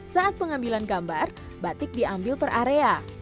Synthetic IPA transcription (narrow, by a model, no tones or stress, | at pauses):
saat̪̚pəŋambilanɡambar | bat̪ɪk̚diambɪlpəraɾea